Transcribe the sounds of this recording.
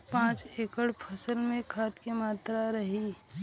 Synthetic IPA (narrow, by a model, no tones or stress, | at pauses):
pãːt͡ʃeːkəɽpʰəsəlmẽkʰaːt̪kemaːt̪ɾaɾɐɦiː